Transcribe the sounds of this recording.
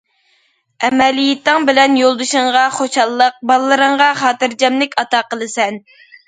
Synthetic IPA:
ɛmɛlijɪt̪ːɨŋbɪlɛnjolˠd̪ɨʃɨŋʁɑχoʃɑlˠːəq̚bɑlˠːɨɾəɴʁɑχɑːt̪ɨɾd͡ʒɛmlɪkʲɑt̪ɑqəlˠɨsɛn

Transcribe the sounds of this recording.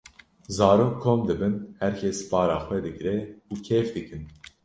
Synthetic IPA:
zɑːɾoːkʰːoːmd̪ɨbɨnhæɾkʰɛspɑːɾɑːxʷwɛd̪ɨɡɾɛuːkʰeːfd̪ɨkɨn

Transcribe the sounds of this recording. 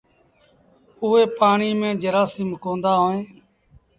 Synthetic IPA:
ʊːeːpaːɳiːmẽːd͡ʒəɾaːsiːmkõːnd̪aːɦoːẽː

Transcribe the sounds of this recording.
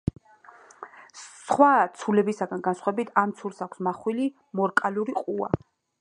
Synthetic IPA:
sχwat̪sʰulɛbisaɡanɡansχwaɛbit̪ʰamt̪sʰulˠsakʷʰsmaχwili | mɔɾkʼaluɾiqʼua̰

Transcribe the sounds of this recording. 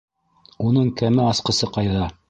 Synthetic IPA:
unɤɴkæmɘɑsqɤ̆sɤqɑjðɑ

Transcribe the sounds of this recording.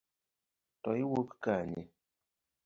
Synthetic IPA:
tɔiwokkaɲḭ

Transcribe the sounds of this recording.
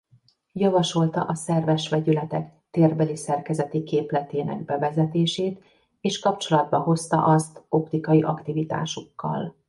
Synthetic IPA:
jɒvɒʃo̞lt̪ɒ̰ʔɒsɛrvɛʃʋɛɟylɛt̪ɛkt̪eːrbɛlisɛrkɛzɛt̪ikeːplɛt̪eːnɛ̰ɡbɛvɛzɛt̪eːʃeːt̪ | eːʃkɒpt͡ʃo̞lɒd̪̚bɒɦo̞st̪ɒ̰ʔɒst̪o̞pt̪ikɒjiʔɒkt̪ivit̪a̰ːʃukːɒ̰l

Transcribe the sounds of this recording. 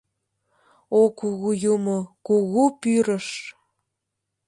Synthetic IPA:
okuɣujumokuɣupyɾəʃ

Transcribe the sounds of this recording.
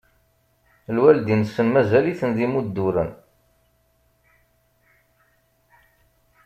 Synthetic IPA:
lwæld̪insːənmæzæliθənðimud̪ːuɾə̰n

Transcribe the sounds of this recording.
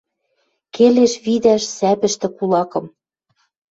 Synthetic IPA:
keleʃβid̪æʃsæpɘ̆ʃt̪ɘ̆kulɑkɤ̆m

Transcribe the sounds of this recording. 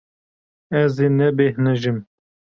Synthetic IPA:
ɛzeːnɛbehnɛʒɨm

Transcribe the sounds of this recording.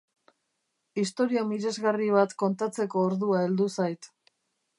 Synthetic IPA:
ist̪o̞ɾiamiɾe̞zɣariβ̞at̪ko̞nt̪at͡se̞ko̞ːɾðuae̞ld̪usajt̪

